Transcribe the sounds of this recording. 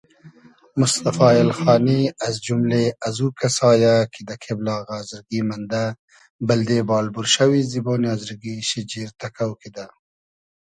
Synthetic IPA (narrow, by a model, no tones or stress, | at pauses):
mʊst̪afɑːɪlxɑːniazd͡ʒumleazukasɑːjakʰid̪akʰeblɑːɣazɪɾɡimand̪a | bɪld̪ebɑːlbuɾʃawizibɑːniɑzɾɡiʃid͡ʒiɾt̪akawkid̪a